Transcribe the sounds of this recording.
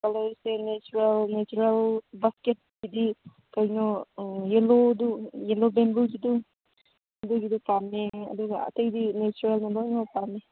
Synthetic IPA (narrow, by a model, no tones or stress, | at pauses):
kalɔɾisenet͡ʃuɾelnet͡ʃuɾelbasket̚ɡidi | kajnɔjelodujelobembuɡidu | ɐduɡidupameɐ̰duɡaɐ̰tɐjdinet͡ʃuɾelmalɔjnɔwpame